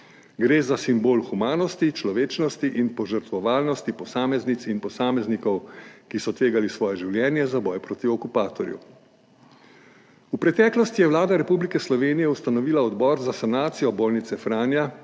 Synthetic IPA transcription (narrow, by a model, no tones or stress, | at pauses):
ɡɾeːzasimboːlxumaːnɔst̪it͡ʃlɔʋeːt͡ʃnɔst̪iʔinpɔʒəɾt̪ʋɔʋaːlnɔst̪ipɔsaːmɛznit̪sinpɔsaːmɛznikɔwkisɔt̪ʋeːɡalisʋɔːjɛʒiwljɛːnjɛzabɔjpɾoːt̪iɔkupaːt̪ɔɾjṵ | upɾɛt̪ɛːklɔst̪ijɛwlaːd̪aɾɛpublikɛslɔʋeːnijɛust̪anɔʋiːlaɔd̪bɔːɾzasanaːt̪sijɔboːlnit̪sɛfɾaːnja